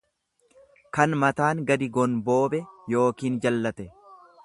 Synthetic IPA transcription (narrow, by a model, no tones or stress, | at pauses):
kɐnmɐt̪aːŋɡɐd̪ɪɡɔnbo̞ːbɛjo̞ːkiːnd͡ʒɐlːɐt̪ɛ